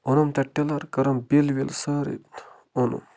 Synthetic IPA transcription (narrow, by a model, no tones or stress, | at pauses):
onɐmt̪ɐʈːelɐɾkɐɾɐmbilʋilsɐɾḭ | onṵm